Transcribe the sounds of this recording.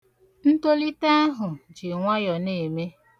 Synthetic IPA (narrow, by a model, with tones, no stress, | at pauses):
n̩˦to˦li˦ta˦ɦʊ˨d͡ʒi˨ŋʷa˦jɔ˨ne˨me˦